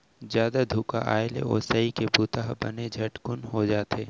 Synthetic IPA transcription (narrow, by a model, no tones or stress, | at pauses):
zjaːd̪ad̪ʱuːkaʔaːjlḛɔ̰ːsəikebuːt̪aːɦbɐned͡ʒʱɐʈkʊnɦod͡ʒaːt̪eː